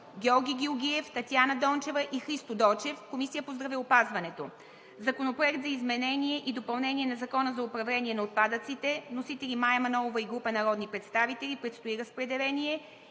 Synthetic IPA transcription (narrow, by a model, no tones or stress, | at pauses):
ɡʲɛɔɾɡʲiɡʲioɡʲiɛft̪ɐt̪janɐəd̪ɔnt͡ʃɛvəʔixɾist̪od̪ɔt͡ʃɛfkomisijəpozd̪ɾɐviʊpazvɐnɛt̪o | zɐkonopɾoɛkt̪zɐizmɛnɛniɛʔid̪opɐlˠnɛnʲiɛnɐzɐkɔnəzɐʊpɾɐvlɛnʲiɛnɐot̪̚pad̪ət̪sit̪ɛnosit̪ɛlʲimajɛmɐnɔovɐiɡɾupənɐɾɔd̪nipɾɛt̪st̪avit̪ɛlʲipɾɛt̪st̪oiɾəspɾɛd̪ɛlɛnʲiɛ